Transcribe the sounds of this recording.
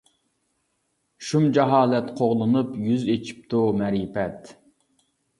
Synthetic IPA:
ʃumd͡ʒɛɦɑːlɛt̪qʰoʁlˠɨnɨpjyzet͡ʃʰi̥p̚t̪ʰumɛɾipɛt̪

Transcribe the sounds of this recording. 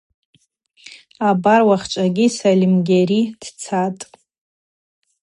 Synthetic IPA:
abarwaχt͡ʃʷʼaɡʲisalʲimɡʲaɾid̥t͡sʰatʼ

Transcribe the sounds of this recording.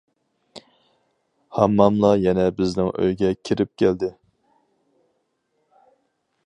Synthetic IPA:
hɑmːɑmlˠɑjɛnɛbɪznɪŋø̰jɡʲɛkʲʰɪɾɪp̚kʲʰæld̪ɪ

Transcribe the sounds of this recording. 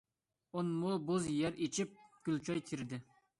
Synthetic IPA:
onmʊbozjɛɾet͡ʃʰip̚ɡ̥ʲylʲt͡ʃʰɑjt̪ʲʰiɾɪd̪ɪ

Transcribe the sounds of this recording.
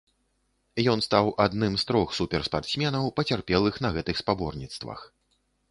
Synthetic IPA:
jɔnst̪awʔad̪nɨmst̪ɾɔxsupʲɛrspart̪sʲmʲɛnɐwpɐt͡sʲarpʲɛlˠɨxnɐɣɛt̪ɨxspabɔrnʲit̪st̪vɐ̰x

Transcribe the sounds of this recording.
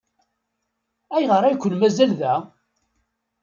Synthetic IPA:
æjʁəɾˤæjkʷːənmæzælðæ

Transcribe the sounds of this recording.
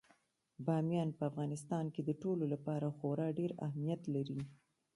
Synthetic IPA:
bɑmjɑnpəafɣɑnɪst̪ɑnked̪əʈololapɑɾaxoɾɑɖeɾa̰hmijat̪laɾi

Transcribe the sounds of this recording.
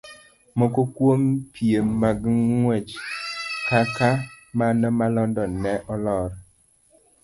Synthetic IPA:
mɔkokwompʰiemːaɡŋwɛt͡ʃ | kaka | manɔmalɔndɔnɛʔɔlɔɾ

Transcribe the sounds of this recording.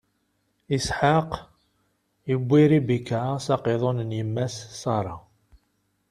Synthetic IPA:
isħaq | jəbʷːiɾibikːasɑqeðˤonənjəmːæsːɑɾˤɑ

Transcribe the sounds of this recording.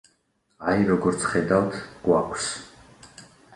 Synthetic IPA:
ajɾɔɡɔɾt̪sʰχɛd̪awt̪ʰɡ̥wakʷʰs

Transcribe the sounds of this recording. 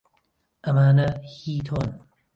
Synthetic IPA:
ʔɐmaːnɐhiːt̪ʰoːn

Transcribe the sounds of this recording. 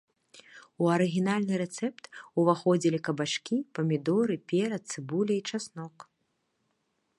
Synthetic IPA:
uɐɾɨɣʲinalʲnɨɾɛt̪sɛpt̪uvaxɔd͡zʲilʲikɐbat͡ʂkʲipɐmʲid̪ɔɾɨpʲɛɾɐt̪̚t̪sɨbulʲɛit͡ʂasnɔk

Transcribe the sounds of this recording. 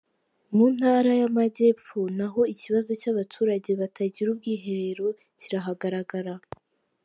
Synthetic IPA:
mun̥haɾajamaɟe̞ːpp͡ffunaɦo̞iciβazo̞caβatʰuːɾaɟe̞βatʰaɟiɾub̚ɡiːɦe̞ɾe̞ɾo̞ | ciɾaɦaɡaɾaɡaɾa

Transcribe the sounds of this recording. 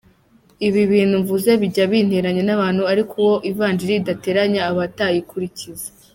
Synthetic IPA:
iβiβiːnhuɱvuze̞βiɟaβiːn̥heɾaɲe̞naβaːn̥huaɾikʰuwoʔivaːnd͡ʒiɾiːdate̞ɾaɲaːβatajikuɾicizḁ

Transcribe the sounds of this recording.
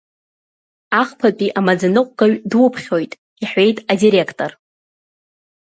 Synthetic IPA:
aχpʰapʼiʔamad͡zanɨqʷʼɡaɥdwʊpʰχʲo̞jtʼ | iħe̞jtʼadiɾe̞kʰtʼo̞r

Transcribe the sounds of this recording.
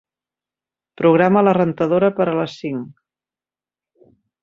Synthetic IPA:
pɾuɣ̞ɾamələrənt̪əðoɾəpəɾələsiŋ

